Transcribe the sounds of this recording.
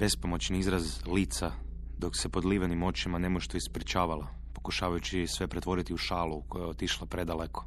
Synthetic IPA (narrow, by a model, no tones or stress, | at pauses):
b̥e̞spomo̞t͡ɕniizɾazliːt̪sa | d̪o̞ksepo̞d̪liːʋenimo̞t͡ɕimanemoʃt̪oispɾit͡ʃaːʋala | po̞kuʃaːʋajut͡ʃisʋe̞pɾet̪ʋo̞ɾit̪iuʃaːlukojaot̪iʃlˠapɾed̪aleko̥